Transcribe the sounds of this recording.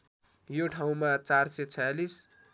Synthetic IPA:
joʈʰaw̃mat͡sarset͡sʰʌjalis

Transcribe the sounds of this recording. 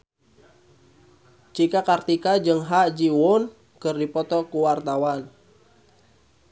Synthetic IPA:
t͡ʃikakart̪ikad͡ʒɨŋɦaʔd͡ʒiwɔn | kɨrdipɔt̪ɔkuwart̪awan

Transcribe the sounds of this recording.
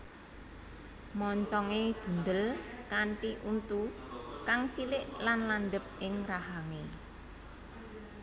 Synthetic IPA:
mɔɲt͡ʃɔŋed̪̥ṳnd̪əlkaɳʈiʔunt̪u | kaŋt͡ʃilɪʔlanlanɖ̪əp̚ɪŋraɦaŋe

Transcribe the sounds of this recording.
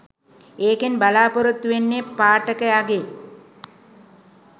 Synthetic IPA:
eːkenbalaːpoɾut̪ːuʋenːepaːʈəkəaɡe

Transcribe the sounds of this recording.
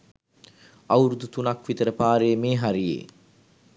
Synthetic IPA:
awɾud̪ut̪unakʋit̪əɾəpaːɾejəmeːɦaɾijḛː

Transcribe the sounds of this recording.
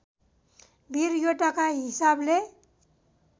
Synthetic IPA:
bʱiɾjoʈakaɦisable

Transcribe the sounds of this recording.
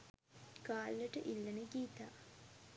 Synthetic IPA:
kaːlːəʈəʔilːənəɡiːt̪a̰ː

